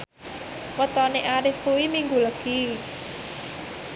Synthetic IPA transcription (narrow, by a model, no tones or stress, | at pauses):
wət̪ɔneʔaɾɪhkuwimiŋɡuləɡ̥i